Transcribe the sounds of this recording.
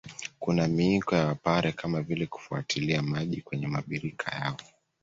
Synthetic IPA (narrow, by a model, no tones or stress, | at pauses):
kunamiikɔjawapaɾɛkamavilɛku̥fua̰tʰiliamaʄikwɛɲɛmaɓiɾikʰa̰jaɔ